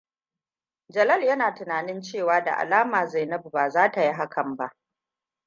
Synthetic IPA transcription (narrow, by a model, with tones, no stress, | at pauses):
d͡ʒɐ˨lɐ˦ljɐ˦naː˨tɪ˨naː˨nɪ˦nt͡ʃeː˦˨waː˨˦da̰˨ʔa̰˨laː˦maː˨za˦˨jnɐ˦bu˨baː˨zaː˦ta˨ji˦ɦa˦kʰɐ˨mba˦ʔ